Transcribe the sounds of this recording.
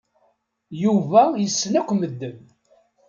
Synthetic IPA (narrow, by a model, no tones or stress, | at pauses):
juvæjəsːnækʷməd̪ːən